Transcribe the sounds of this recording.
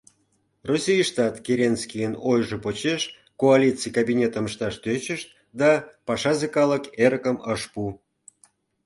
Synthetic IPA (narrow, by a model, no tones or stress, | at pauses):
rosʲijʃt̪ɑt̪kʲeɾʲenskʲijənojʒəpot͡ɕeʃ | koalʲit͡sɨjkabʲinʲet̪əməʃt̪ɑʃt̪øt͡ɕəʃt̪̚ | d̪ɑpɑʃɑzekɑləkeɾəkəməʃpu